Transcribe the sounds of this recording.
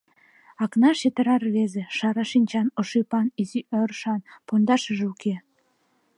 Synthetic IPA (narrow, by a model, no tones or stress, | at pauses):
ɑknɑʃet̪ə̆ɾɑrβezeʃɑɾɑʃinʲt͡ɕɑnoʃipɑniziʔərʃɑnpond̪ɑʃə̆ʒeukʰe